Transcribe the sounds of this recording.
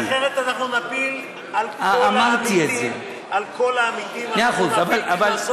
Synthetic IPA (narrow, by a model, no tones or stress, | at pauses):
eʁet̪anaχnunapil | alaamaʁt̪ietze | alkolaːmit̪immeaχuzavalaval